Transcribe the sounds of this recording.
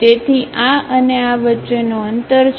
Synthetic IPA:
et̪ʰiʔaəneaʋətːenoənt̪əɾt͡ʃ

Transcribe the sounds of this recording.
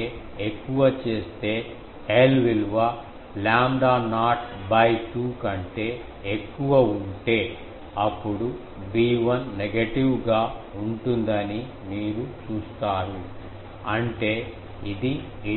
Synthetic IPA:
ekːuʋɐt͡ʃe̞ːst̪e̞ː | eːlʋilʋɐ | laːmɖaːnaːʈ̚bɐjʈuːkɐɳʈe̞ː | ekːuʋɐuɳʈe̞ː | ɐpːuɽu | biːʋɐnːeɡɐʈiʋɡaːuɳʈund̪ɐni | miːɾut͡ʃuːst̪aːɾu | ɐɳʈe̞ː | id̪i

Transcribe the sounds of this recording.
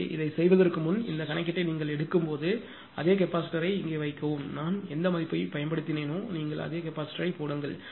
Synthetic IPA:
ʔɪ̰ðɐɪsɛjʋɐðɐɾkɯmʊnɪ̰nd̪ɐkɐnɐkːɪʈːɐɪniːŋɡɐɭɛɽɯkːɯmpoːðɯ | ʔɐðeːkɛpːaːsʈɐɾɐɪɪŋɡeːʋɐɪkːɐʋɯmnaːnɛnd̪ɐmaːðɪɾipːoːjpɐjɐnpɐɽɯt̪ːɪneːnoːniːŋɡɐɭɐ̰ðeːkɛpːaːsʈɐɾɐɪpoːɽɯŋɡɐɭ

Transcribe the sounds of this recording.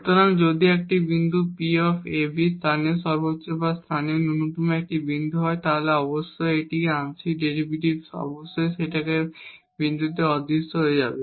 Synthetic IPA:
kt̪oɾaŋd͡ʑod̪iek̚ʈibind̪ʱupiɔfʰebist̪ʰaneʃɔɾbotːɕebast̪ʰanieonunut̪umek̚ʈibind̪ʱuɦɔet̪aɦoleɔboʃːojeʈikeaŋʃiɖeɾibiʈibʃɔ̰ɾboʃːojʃeʈake | bind̪ut̪ːeɔd̪ːist̪oɦoed͡ʑa̰be

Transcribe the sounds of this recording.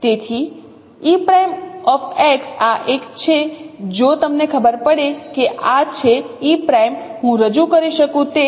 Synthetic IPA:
t̪et̪ʰi | ipɾajmɔfʰɛksaʔekt͡ʃʰed͡ʒot̪əmnekʰəbəɾpəɽekeʔat͡ʃʰe | ipɾajmɦũɾəd͡ʒukəɾiʃəkũt̪e

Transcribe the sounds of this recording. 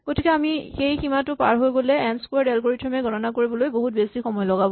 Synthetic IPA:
ɡ̥otikɛamixejximatʊpaɹɦojɡolɛɛnskwɛɹdɛlkoɹitʰɹɔmɛɡʱɔtɔnakoɹibɔlojboɦut̚besixɔmɔjɔlɔɡabɔ

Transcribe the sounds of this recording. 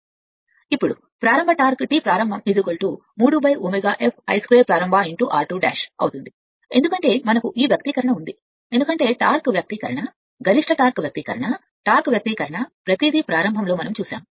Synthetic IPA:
ipːuɽṵ | pɾaːɾɐmbʱɐʈaːɾkʈiːpɾaːɾɐmbʱɐmid̪uɡoɭʈuː | muːɽubɐjuːmeɡaːʔepʰɐ̰jskɾeːpɾaːɾɐmbʱaːiɳʈuːʔaːɾʈuːɖa̰ːʃɐ̰wt̪und̪i | e̞nd̪ukɐɳʈe̞ːmɐnɐkuʔiːʋjɐk̚t̪ikɐɾɐɳɐund̪i | end̪ukɐɳʈe̞ːʈaːɾkʋjɐk̚t̪ikɐɾɐɳɐ | ɡɐliʂʈɐʈaːɾkʋjɐk̚t̪iːkɐ̰ɾɐɳɐ | ʈaːɾkʋjɐk̚t̪ikɐɾɐɳɐpɾɐt̪id̪ipɾaːɾɐmbʱɐmlo̞ːmɐnɐmt͡ʃuːʃa̰ːm

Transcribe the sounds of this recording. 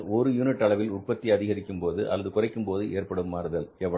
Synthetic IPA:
ɔɾɯjuːnɪʈːɐɭɐʋɪlʊʈ̚pɐt̪ːiɐðɪɣɐɾɪkːɯmpoːðɯʔɐ̰lːɐðɯkʊrɐɪkːɯmpoːðɯʔeːrpɐɽɯmːaːɾɯðɐlɛʋɐ

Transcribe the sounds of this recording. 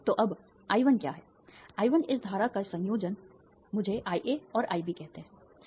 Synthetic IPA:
t̪oːʔɐb | aːjʋənkja̰ːɦɛː | aːɪʋənɪs̬d̪ʱaːɾakasɐ̃ŋjoːd͡ʒən | mʊd͡ʒʱeʔaːiʔeɔːɾʔaːibikɛɦt̪eɦɛ̃

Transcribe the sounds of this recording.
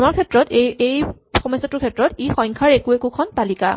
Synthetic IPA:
amaɹkʰɛtɹɔteej | xɔmɔjsɔtʊkʰɛtɹɔtixɔjŋkʰaɹekuekukʰɔnpalika̰

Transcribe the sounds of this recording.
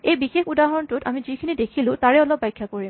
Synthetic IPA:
ejbixexudaɦɔɹntʊtamizikʰinidekʰilʊ̃taɹɛɔlɔp̚bajkʰːakoɹim

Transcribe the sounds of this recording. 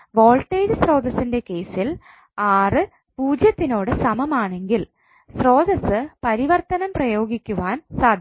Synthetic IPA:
ʋo̞ːɭʈːeːdɨsro̞ːd̪ɐsinde̞ke̞ːsil | aːrɨ | puːd͡ʑjɐt̪ːino̞ːɽɨsɐmɐmaːɳe̞ŋɡil | sro̞ːd̪ɐsɨpɐɾiʋɐrt̪ɐnɐmprɐjo̞ːɡikʲːuʋaːnsaːd̪ʱ

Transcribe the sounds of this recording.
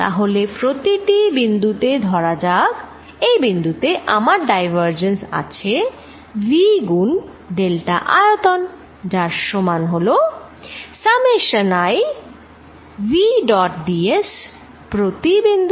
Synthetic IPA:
t̪a̰ɦolepɾot̪iʈibind̪ut̪ed̪ʱɔɾad͡ʑaɡ | ejbind̪ut̪eʔamaɾɖajbaɾd͡ʑensa̰t͡ɕʰe | viɡun | ɖ̪elʈaʔaot̪on | d͡ʑaɾʃomanɦolo | sameʃənaj | viɖɔʈ̚ɖies | pɾot̪ibind̪u

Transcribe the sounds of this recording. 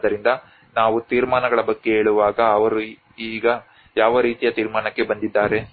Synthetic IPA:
d̪ɐɾind̪ɐ | naːʋut̪iːɾmaːnɐɡɐɭɐbɐɡːe̞ɦeːɭuʋaːɡɐːʋɐɾu | iːɡɐ | jaːʋɐɾiːt̪ijɐt̪iːɾmaːnɐkːe̞bɐnd̪id̪ːaːɾe̞

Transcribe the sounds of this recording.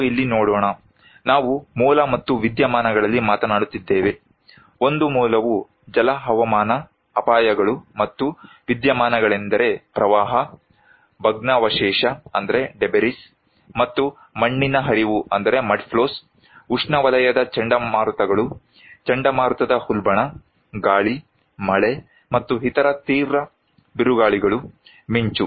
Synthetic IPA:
ilːinoːɽɔːɳɐ | naːʋumuːlɐmɐt̪ːuʋid̪jɐmaːnɐɡɐɭɐlːimaːt̪ɐnaːɽut̪ːid̪ːeːʋe̞ | o̞nd̪umuːlɐʋu | d͡ʒɐlɐɦɐʋɐmaːnɐː | paːjɐɡɐɭumɐt̪ːu | ʋid̪jɐmaːnɐɡɐɭend̪ɐɾe̞pɾɐʋaːɦɐ | bʱɐɡnɐʋɐʃɛːʂɐɐ̰nd̪ɐɾe̞ɖebeɾis | mɐt̪ːu | mɐɳːinɐɦɐɾiʋuɐnd̪ɐɾe̞mɐɖpʰloːs | uʂɳɐʋɐlɐjɐd̪ɐt͡ʃɐɳɖɐmaːɾt̪ɐɡɐɭu | t͡ʃɐɳɖɐmaːɾt̪ɐd̪ɐhulbɐɳɐ | ɡaːɭi | mɐɭe̞ | mɐt̪ːuɦit̪ɐɾɐt̪iːʋɾɐ | biɾuɡaːɭiɡɐɭu | miɲt͡ʃu

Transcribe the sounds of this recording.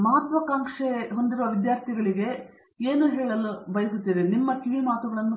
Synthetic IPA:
mɐɦɐt̪ʋɐkaːŋkʂeɦond̪iɾoʋɐʋid̪jaːɾt̪ʰiɡɐɭiɡe̞ | eːnuɦeːɭɐlːubɐjɐsut̪ːidenimːɐkiʋimaːt̪uɡɐɭɐnːu

